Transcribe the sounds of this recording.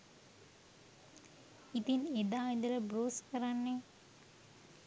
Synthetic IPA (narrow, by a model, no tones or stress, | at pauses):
it̪ined̪aːind̪ələbroːskəɾanːe